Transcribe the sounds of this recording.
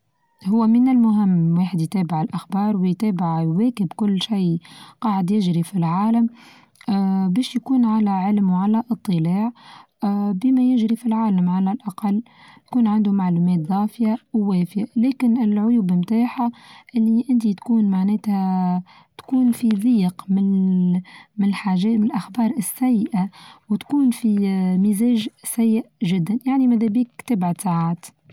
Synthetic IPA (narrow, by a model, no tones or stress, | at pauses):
hʊwːæmɪnɪlmʊɦɪmːwaːħəd̪jt̪ɛːbɪʕɪlʔaxbɑːɾˤwɪjt̪ɛːbɪʕwɛːkɪbkʊlːʃiːqɑːʕɪd̪jɪʒɾifilʕaːlam | bɛːʃjkuːnʕalæʕɪlmwʕalæʔɨt̪ˤːɨlaːʕ | bɪmæjɪʒɾifilʕaːlamʕalælʔaqɑlː | jt̪kuːnʕɪnd̪umaʕluːmɛːt̪ðˤɑːfɪjawwɛːfjalɛːkɪnɪlʕʊjuːbmt̪aːħaʔɪlːiʔɪnt̪it̪kuːnmaʕnɛːt̪hæ | t̪kuːnfiðˤiːqmɪn | mɪnɪlħaːʒɛːmɪnɪlʔaxbɑːɾˤʔɪsːæjːʔawt̪kuːnfimizɛːʒsæjːɪʔʒɪd̪ːanjaʕnimæðɛbiːkt̪abʕasaʕaːt̪